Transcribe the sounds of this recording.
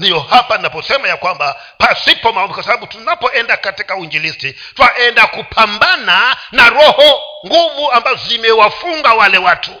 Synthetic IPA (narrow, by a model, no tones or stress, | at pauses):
ndijɔhapaninapɔsɛmajakwamba | pasipɔmaɔmikwasabaɓutunapɔʔɛndakatikauind͡ʒilisti | twaʔɛndakupʰambana | naɾɔhɔŋɡuvuambazɔzimɛwafuŋɡawalɛwatʰu